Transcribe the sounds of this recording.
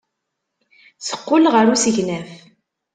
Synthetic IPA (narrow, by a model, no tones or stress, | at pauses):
sə̥qːʊlʁəɾusəʝnæf